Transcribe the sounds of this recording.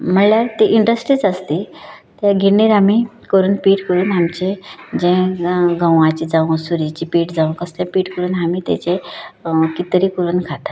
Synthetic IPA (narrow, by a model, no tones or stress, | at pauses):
m̤əɳljaɾt̪iʔiɳɖəsʈɾiːt͡səst̪it̪jaɡʱiniːɾami | kəɾuːnpiːʈkəɾuːnamt͡ɕẽd͡ʑẽɡəwãt͡ɕiːd͡zaʋũsuɾit͡ɕiːpiːʈd͡zaʋ̃kəslãpiːʈkəɾuːnɦamiːt̪a̰t͡ɕẽ | kit̪ɾiːkəɾuːnkʰat̪ḁ